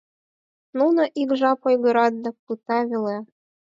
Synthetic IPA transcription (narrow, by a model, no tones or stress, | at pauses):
nunɤʔiɡʒɑpojɣɤ̆ɾɑd̪̚nɤ̆pɯt̪ɑβʲele